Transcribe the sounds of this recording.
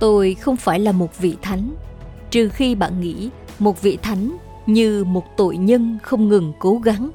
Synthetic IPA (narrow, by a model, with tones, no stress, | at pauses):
t̪o˧jxə˧wŋ͡mfaː˧˩jlaː˨˩mo˨˩t̚vḭ˧˨t̪ʰa˨˦jŋ̟t͡ɕɨ˨˩xi˧ɓa̰ː˧˨nŋḭ˧˥ | mo˨˩t̚vḭ˧˨t̪ʰa˨˦jŋ̟ | ɲɨ˧mo˨˩t̚t̪o̰˧˨jɲə˧nxə˧wŋ͡mŋɨ˨˩ŋko˨˦ɣa˨˦ŋ